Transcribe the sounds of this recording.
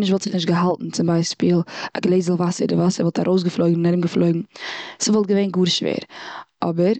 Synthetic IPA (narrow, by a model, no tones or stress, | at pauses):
nɪʃtvɔlˠtz̥ɪχnɪʃ̬tɡəɦalˠtn̩t͡sɪmbaɪspiːlˠa̰ɡlˠeɪzl̩ˠvasəɾdɪvasəɾvɔlˠtʰaɾʔoʊs̬ɡəflˠoɪɡŋ̩nɛɾmɡəflˠoɪɡŋ̩səvɔlˠt̚ɡəveɪnɡuːɾʃvḛːɾʔɔbəɾ